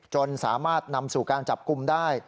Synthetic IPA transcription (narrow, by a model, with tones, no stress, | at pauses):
t͡ɕo˧nsaː˩˦maː˥˩t̪̚na˧msuː˨˩kaː˧nt͡ɕa˨˩p̚ku˧mdaː˥˩j